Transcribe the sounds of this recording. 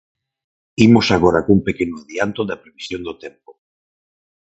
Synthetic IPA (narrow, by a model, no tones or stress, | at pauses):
imosaɣoɾakuŋpekenʊaðjant̪ʊðɐpɾeβisjond̪ot̪empo